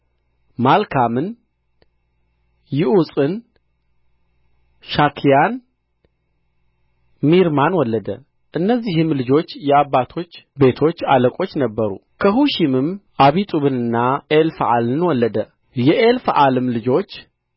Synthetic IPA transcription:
malkʰamɨn | jɪʔusʼɨn | ʃakʰijan | miɾmanwɔlːəd̪ə | ʔɨnːəzːihɨmlɨd͡ʒo̞t͡ʃːjɛabːat̪ʰo̞t͡ʃːbe̞t̪ʰo̞t͡ʃːaləkʼo̞t͡ʃːnəbːəɾṵ | kʰəɦuʃimɨmʔaβit̪ʼuβɨnɨnːaelfʔalɨnwɔlːəd̪ə | jɛʔelfʔalɨmlɨd͡ʒo̞t͡ʃː

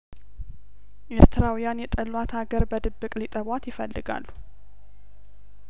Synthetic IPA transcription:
ʔe̞ɾt̪ʰɨɾawijanjɛt̪ʼəlwat̪ʰaɡəɾbəd̪ɨbːɨkʼlit̪ʼəβwat̪jɪfə̰lːɨɡa̰lːu

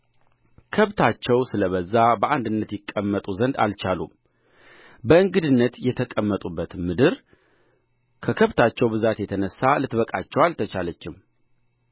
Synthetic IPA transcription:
kʰəβt̪ʰat͡ʃːɛwsɨləβəzːabəʔand̪ɨnːət̪jɪkʼːəmːət̪ʼuzənd̪a̰lt͡ʃalṵ | bəɨŋɡɨd̪ɨnːət̪jɛt̪ʰəkʼəmːət̪ʼubːət̪mɨd̪ɨɾ | kʰəkʰəβt̪ʰat͡ʃːɛwbɨzat̪jɛt̪ʰənəsːalɨt̪bəkʼa̰t͡ʃːɛwalt̪ʰət͡ʃalət͡ʃːɪm

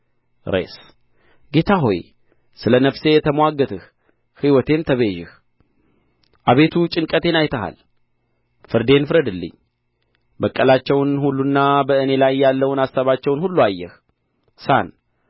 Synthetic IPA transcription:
ɾḛs | ɡe̞t̪ʰaɦo̞̰j | sɨlənəfse̞jɛt̪ʰəmwaɡət̪ʰɨh | hiwɔt̪ʰe̞nt̪ʰəβeʒɪh | ʔaβe̞t̪ʰut͡ʃʼɨŋkʼət̪ʰe̞najt̪ʰəɦa̰l | fɨɾd̪e̞nfɨɾəd̪ɨlːɨ̰ɲː | bəkʼːəlat͡ʃːɛwnhulːunːabəɨne̞lajːalːəwnasːaβat͡ʃːɛwnhulːuajːɛh | san

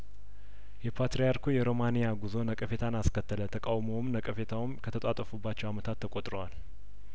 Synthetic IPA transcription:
jɛpʰat̪ɾejaɾkʰujɛɾo̞manijaɡuzo̞nəkʼəfe̞t̪ʰanaskʰət̪ʰːələt̪ʰəkʼawmowmnəkʼəfe̞t̪ʰawmkʰət̪ʰət̪ʼat̪ʼːəfubːat͡ʃːɛwamət̪ʰat̪ʰːəkʼot̪ʼɾowal

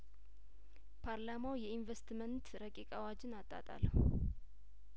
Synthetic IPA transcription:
pʰaɾlamawjɛinvest̪mənt̪ɾəkʼikʼawad͡ʒɪnat̪ʼːa̰t̪ʼa̰l

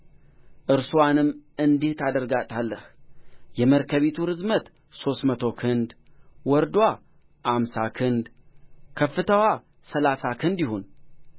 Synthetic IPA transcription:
ʔɨɾsuwanɨmːɨnd̪eht̪ʰad̪əɾɡat̪ʼalːəhjɛməɾkʰəβit̪ʰuɾɨzmət̪ | so̞st̪mət̪ʰo̞kʰɨnd̪wɔɾd̪wa | ʔamsakʰɨnd̪kʰəfːɨt̪ʰəwa | səlasakʰɨnd̪jiɦun

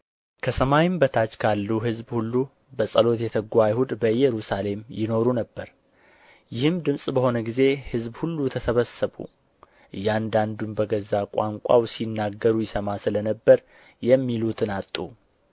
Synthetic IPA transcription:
kʰəsəmajɪmbət̪ʰat͡ʃkʰalːuɦɨzbhulːu | bəsʼəlo̞t̪jɛt̪ʰəɡʷajhud̪bəjɛɾusale̞mjɪno̞ɾunəbːəɾ | jɪhɨmd̪ɨmsʼbəho̞nəɡize̞hɨzbhulːut̪ʰəsəβəsəβṵ | ʔɨjːand̪and̪unbəɡəzakʼa̰ŋkʷʼa̰wsinːaɡːəɾujɪsəmasɨlənəbːəɾ | jɛmːilut̪ʰɨnat̪ʼːu

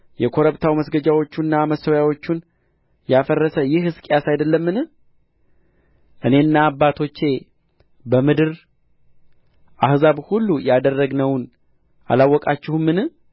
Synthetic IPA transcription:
jɛkʰo̞ɾəβt̪ʰawməsɡəd͡ʒawo̞t͡ʃːunːaməsəwjawo̞t͡ʃːun | jafərːəsəjɪhɨskʼejasajd̪əlːəmːɨnɨ | ʔɨne̞ɨnːaːbːat̪ʰo̞t͡ʃːe̞ | bəmɨd̪ɨɾ | ʔahzaβhulːujad̪ərːəɡnəwn | ʔa̰lawːɔkʼat͡ʃːɪhumːɨnɨ

